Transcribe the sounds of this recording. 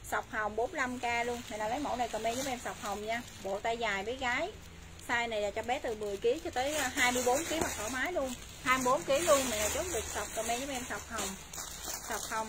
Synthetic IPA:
sa˨˩wk͡p̚hə˨˩wŋ͡mɓo˨˦nla˧mkaː˧lu˧əŋmi˨˩˨laː˨˩lə˨˦jmo̰˧˩na˨˩jkəː˨˩mɛ˧ɲzə˨˦mʔɛ˧msa˨˩wk͡p̚hə˨˩wŋ͡mɲaː˧ | ɓo̰˧˨t̪aː˧jzaː˨˩jmə˨˦jɣaː˨˦j | saː˧jna˨˩jlaː˨˩t͡ɕɔ˧ɓɛ˨˦˥t̪ɨ˨˩mɨ˨˩əjki˨˦ət͡ɕɔ˧t̪əː˨˦jɦaː˧jmɨ˧əjɓo˨˦nki˨˦əhwa˨˩k̚ʔəː˧˩maː˨˦jlu˧ən | haː˧jmɨ˧jɓo˨˦nki˨˦əlu˧ənmi˨˩laː˨˩t͡ɕo˨˦˥t̚ɗɨ˨˩ək̚sa˨˩wp̚kə˨˩mɛ˧zə˨˦ʔɛ˧msa˨˩wk͡p̚hə˨˩wŋ͡m | sa˨˩wk͡p̚hə˨˩wŋ͡m

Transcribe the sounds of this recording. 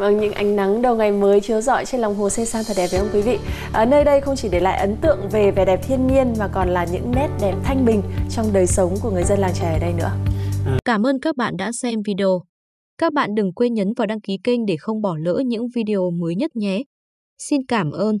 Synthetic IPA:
və˧ŋɲɨ̰˧˥ŋʔa˨˦jŋ̟na˨˦ŋɗə˨˩wŋa˨˩jməː˨˦jkʰi˨˦əwzɔ̰˧˨jt͡ɕe˧nlɔ˨˩wŋ͡mɦo˨˩se˧saː˧ŋt̪ʰəː˨˩jɗɛ˨˩və˨˦ʔə˧ŋ͡mkwi˨˦vḭ˧˨ | ʔəː˨˩nəː˧jɗə˧jxə˧wŋ͡mt͡ɕi˧˩ɗe˧˩la̰ː˧˨ʔə˨˦nt̪ɨ̰˧˨əŋve˨˩ve˨˩ɗɛ˨˩p̚t̪ʰi˧ənɲi˧ənmaː˨˩kɔ˨˩nlaː˨˩ɲɨ̰˧˥ŋnɛ˦˥t̚ɗɛ˨˩p̚t̪ʰa˧jŋ̟ɓï˨˩ŋ̟t͡ɕɔ˧wŋ͡mɗəː˨˩jsə˨˦wŋ͡mku˧˩əŋɨ˨˩əjzə˧nlaː˨˩ŋt͡ɕəː˧˩˨əː˨˩ɗə˧jnɨ̰˧˥əkaː˧˩mʔəː˧nkaː˦˥k̚ɓa̰ː˧˨nɗa̰ː˧˥sɛ˧mvi˧ɗe˧o˧ | kaː˦˥k̚ɓa̰ː˧˨nɗɨ˨˩ŋkwe˧nɲəː˨˦nvaː˨˩wɗaː˧ŋki˨˦ki˧ŋ̟ɗe˧˩xə˧wŋ͡mɓɔ˧˩lə̰ː˧˥ɲɨ̰˧˥ŋvi˧ɗi˧˨o˨˩məː˨˦jɲə˦˥t̚ɲɛ˨˦ | si˧nkaː˧˩mʔəː˧n

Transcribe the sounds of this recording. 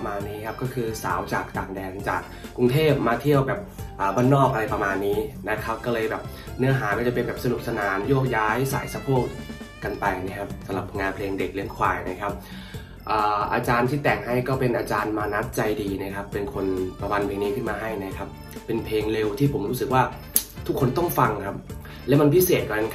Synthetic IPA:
maː˧nːiː˦˥kʰa˦˥p̚kɔː˥˩kʰɯː˧sa̰ː˩˦wt͡ɕaː˨˩k̚t̪aː˨˩ŋdɛː˧nt͡ɕa̰ː˨˩k̚ːu˧ŋt̪ʰeː˥˩p̚maː˧t̪ʰi˥˩əwbɛː˨˩p̚ʔaː˨˩baː˧˥˩nːɔː˥˩k̚ʔa˧la˧jpa˧maː˧nːiː˦˥na˦˥kʰa˦˥p̚kɔː˥˩lɤː˧jbɛː˨˩p̚ | nɯ˦˥ɐɦaː˩˦mɔː˧˩t͡ɕa˨˩pe˧nbɛː˨˩p̚sa˧du˨˩p̚sa˧naː˩˦mjoː˥˩k̚jaː˦˥jsa̰ː˨˩˦jsa˧pʰoː˥˩k̚ː | a˧npa˧jna˦˥kʰa˦˥p̚sa˨˦mla˨˩p̚ŋaː˧npʰleː˧ŋde˨˩k̚li˧˦əŋkʰwa̰ː˨˩jna˦˥˩kʰa˦˥p̚ | ʔaː˨˩ʔaː˧t͡ɕaː˧nt̪ʰiː˥˩t̪ɛː˨˩ŋha˥˩jkɔː˥˩pe˧nʔaː˧t͡ɕaː˧nmaː˧na˦˥t̪̚t͡ɕa˧jdiː˧na˦˥˩kʰa˦˥pːe˧nkʰo˧npa˧ma˧npʰeː˧ŋniː˦˥kʰɯ˥˩nmaː˧ɦa˥˩jna˦˥kʰa˦˥p̚ː | e˧npʰleː˧ŋle˧wt̪ʰiː˥˩pʰo˩˦mɾuː˦˥sɯ˨˩k̚waː˥˩ | t̪ʰu˦˥kʰːo˧nt̪ɔ˥˩ŋfa˧ŋkʰa˦˥p̚ | lɛː˦˥wma˧npʰi˦˥seː˨˩t̪̚kɔ˧na˧˥

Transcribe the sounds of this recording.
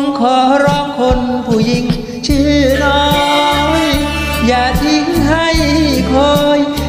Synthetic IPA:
ŋkʰɔː˨˩˦ɾɔː˧˥kʰːo˧npʰuː˨˩ji˧ŋ | t͡ɕʰiː˧˩nɔ˦˧˦j | jaː˨˩t̪ʰi˧˥ŋɦa˧˥˩jkʰoː˧j

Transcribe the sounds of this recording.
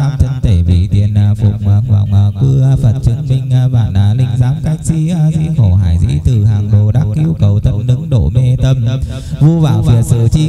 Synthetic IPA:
aː˧mt͡ɕə˧nt̪e˧˩vḭ˧˩˨t̪ḭ˨˩ənʔa˨˩fʊ˨˩k͡p̚maː˨˩ŋhwa̰ː˧˨˩ŋaː˨˩kɨ˧fə˨˩t̚t͡ɕɨ˨˦ŋmï˧ŋ̟˧ɓaː˧˩nʔaː˧˨˩lḭ̈˧˩ŋ̟zaː˨˦mka˦˥jk̟̚sḭ˧˥ʔa˧zḭ˧˥xo˧˩ɦa̰ː˧˩jzḭ˧˥t̪ɨ˨˩haː˨˩ŋɗo˨˩ɗa˦˥k̚ʔi˧əwkə˨˩wt̪ʰə˧nɗɨ˨˦ŋɗo̰˧˨me˧t̪ə˧m | vu˧vaː˧˩wfi˨˩əsɨ̰˧˩t͡ɕi˧

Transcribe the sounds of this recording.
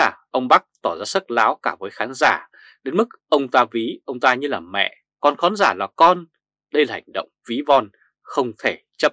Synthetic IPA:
aː˨˩ʔə˧wŋ͡mɓa˦˥k̚t̪ɔ˧˩zaː˧sə˦˥t̚laː˨˦wkaː˧˩vəː˨˦jxaː˨˦nzaː˧˩ | ɗe˨˦nmɨ˦˥k̚ʔə˧wŋ͡mt̪aː˧vi˨˦ʔə˧wŋ͡mt̪aː˧ɲɨ˧laː˨˩mɛ̰˧˨ | kɔ˧nxɔ˨˦nzaː˧˩laː˨˩kɔ˧n | ɗə˧jlaː˨˩ha˧˩ŋ̟ɗə̰˧˨wŋ͡mvi˨˦vɔ˧n | xə˧wŋ͡mt̪ʰe˧˩t͡ɕə˦˥p̚

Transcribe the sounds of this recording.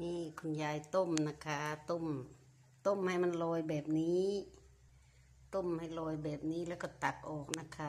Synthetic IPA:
miː˧˥˩kʰo˧˩njaː˧jt̪o˧˩˨mna˧kʰa˧t̪o˧˩˨m | t̪o˧˩˨mha˧˨˩jma˧˥˨nlɔː˧jbɛː˨˩p̚niː˦˥ | t̪o˧˥˨mha˧˩jlɔː˧˩jbɛː˨˩p̚niː˦˥lɛː˧˩wkɔ˧˩t̪a˨˩k̚ʔɔː˨˩k̚na˧˥˨kʰa˧

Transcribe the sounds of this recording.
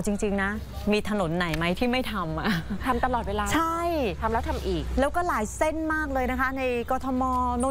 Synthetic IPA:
wt͡ɕi˧ŋt͡ɕi˧ŋna˦˥ | miː˧t̪ʰa˧no˨˩˦nːa˨˩˦jma˦˥jt̪ʰiː˥˩ma˥˩jt̪ʰa˧mʔa˨˩t̪ʰa˧mt̪a˧lɔː˨˩t̪̚weː˧laː˧t͡ɕʰa˥˩jt̪ʰa˧mlɛː˦˥wt̪ʰa˧mʔiː˨˩k̚lɛː˦˥wkɔː˥˩laː˩˦jse˥˩nmaː˥˩k̚lɤː˧jna˦˥kʰa˦˥na˧jkɔː˧t̪ʰɔ˧mɔː˧no˥˩

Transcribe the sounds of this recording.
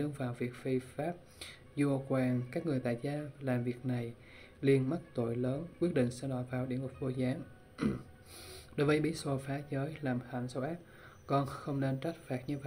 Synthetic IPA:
ɨ˧əŋvaː˨˩wvi˨˩ək̚fi˧faː˦˥p̚ | zu˧˩əkwaː˨˩nkaː˦˥k̚ŋɨ˨˩əjt̪a̰ː˧˨jzaː˧laː˨˩mvi˨˩ək̚na˨˩j | li˧ənma˦˥t̚t̪o̰˧˨jləː˨˦nkwi˦˥ət̚ɗḭ˧˨ŋ̟sɛ̰˧˥ɗɔ˧˨˩vaː˨˩wɗi˧˩əŋʊ˨˩p̚vo˧˩zaː˨˦ŋ | ɗo˨˦jvəː˨˦jɓḭ˧˥so˧˩faː˨˦zəː˨˦jlaː˨˩mxa˧˩nsə˧wʔaː˦˥p̚ | kɔ˧nxə˧wŋ͡mne˧nt͡ɕa˦˥kt̚faː˨˩t̚ɲɨ˧və˧˨

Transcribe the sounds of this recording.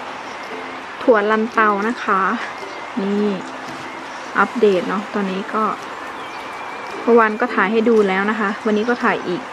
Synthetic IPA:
t̪ʰu˨˩˦ən̚la˧nt̪a˧wna˦˥kʰa˦˥ | niː˥˩ | ʔa˦˥p̚deː˨˩t̪̚nɔ˦˥t̪ɔː˧nːiː˦˥kɔː˥˩ | pʰɔ˧˥wa˧nkɔː˥˩t̪ʰaː˨˩˦jɦa˥˩jduː˧lɛː˦˥wna˦˥kʰa˦˥ʔwa˧nːiː˦˥kɔː˥˩t̪ʰaː˨˩˦jʔiː˨˩k̚

